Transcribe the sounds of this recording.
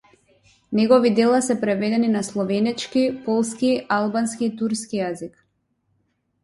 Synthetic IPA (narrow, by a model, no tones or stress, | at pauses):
nɛɡɔvid̪ɛlˠasɛpɾɛvɛd̪ɛninaslˠɔvɛnɛt͡ʃkipɔlˠskialˠbanskiːt̪uɾskijazik